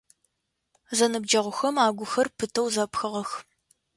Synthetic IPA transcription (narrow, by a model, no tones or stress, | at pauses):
zɐnɨb̚d͡ʒɐʁʷʊxɐmaːɡʷʊxɐrpʰɨtʰɐwzɐpxɨʁɐx